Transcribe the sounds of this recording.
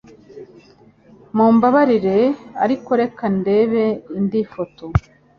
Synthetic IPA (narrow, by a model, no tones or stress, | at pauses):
muːmbaβaɾiɾe̞a̰ɾikoɾe̞kande̞ːβe̞indifoto